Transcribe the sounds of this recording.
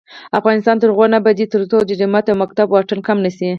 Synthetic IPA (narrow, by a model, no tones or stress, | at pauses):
afɣɑnɪst̪ɑnt̪əɾɣwanabad̪it̪əɾt͡sod͡ʒɪdɪmat̪awmak̚t̪abwɑʈənkamnəsi